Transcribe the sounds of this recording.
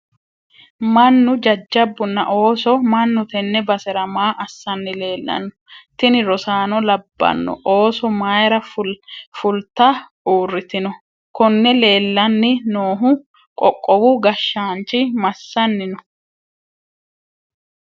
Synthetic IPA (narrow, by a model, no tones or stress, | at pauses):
mɐnːʊd͡ʒɐd͡ʒːɐbːʊnːɐ̰ʔo̞ːsɔmɐnːʊt̪ɛnːɛbɐsɛɾɐmaːʔɐsːɐnːɪle̞ːlːɐ̰nːɔt̪ɪnɪɾɔsaːnɔlɐbːɐ̰nːɔ̰ʔo̞ːsɔmaːjɛɾɐ | fʊlt̪ɐ | uːrːɪt̪ɪnɔ | kɔnːɛle̞ːlːɐnːɪnoːɦʊ | kʼɔkʼːɔwʊɡɐʃːaːnt͡ʃɪmɐsːɐnːɪnɔ